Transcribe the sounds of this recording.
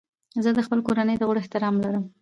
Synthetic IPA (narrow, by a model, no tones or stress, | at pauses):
zəd̪əxpəlkoɾanəjd̪əɣəɽɪht̪ɪɾɑmlaɾəm